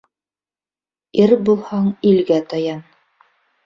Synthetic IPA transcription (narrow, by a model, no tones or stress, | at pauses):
iɾbulˠhɑɴilɡæt̪ɑjɑn